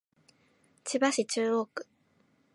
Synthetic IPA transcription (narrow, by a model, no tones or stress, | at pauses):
t͡ɕibaɕit͡ɕɨːoːkɯ̥